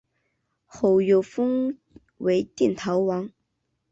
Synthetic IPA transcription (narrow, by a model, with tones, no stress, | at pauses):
xo˨˩ʊjo˨˩ʊfɤ˥ŋ | we˧˥ɪt̪jɛ˥˩nt̪ʰɑ˧˥ʊwɑ˧˥ŋ